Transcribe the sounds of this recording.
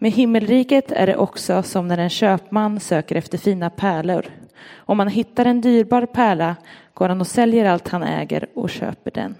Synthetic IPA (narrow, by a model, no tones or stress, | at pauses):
meɦɪmːəlɾiːkət̪ʰæ̰ɖɛ̰ʔɔksɔsɔmnæɾɛnɕøːpmanːsøːkəɾɛft̪əɾfiːnapʰæːɭʊɾɔmːanɦɪt̪ːaɾɛnd̪yːɾbɑːɾpʰæːɭaɡ̥oːɾhanɔsɛljəɾalt̪hanɛ̰ːɡə̰ɾɔ̰ɕø̰ːpəɖɛ̰n